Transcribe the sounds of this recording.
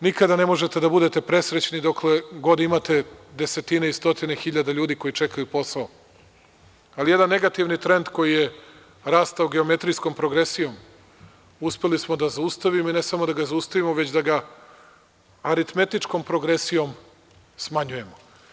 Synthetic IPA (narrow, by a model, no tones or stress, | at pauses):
nikad̪ane̞mo̞ʒet̪e̞d̪abud̪e̞t̪e̞pɾe̞sɾet͡ɕnid̪o̞kle̞ɡo̞d̪imat̪e̞d̪e̞se̞t̪ineist̪o̞t̪inexiʎad̪aʎuːd̪iko̞jit͡ʃekajupo̞sao | alijed̪anːe̞ɡat̪iʋnit̪ɾe̞nd̪ko̞jije | ɾaːst̪aoɡe̞o̞me̞t̪ɾijsko̞mpɾoɡɾesijo̞m | uspe̞lismod̪azaust̪aʋimoine̞samod̪aɡazaust̪aʋimoʋe̞t͡ɕd̪aɡa | aɾit̪me̞t̪it͡ʂko̞mpɾoɡɾesijo̞m | smaɲuje̞mo